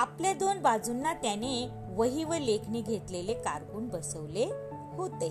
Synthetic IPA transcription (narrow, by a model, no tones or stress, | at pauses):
apljad̪onbad͡zunːat̪jane | ʋəɦiʋəlekʰniɡʱet̪lelekaɾkuːnbəsəʋle | hot̪e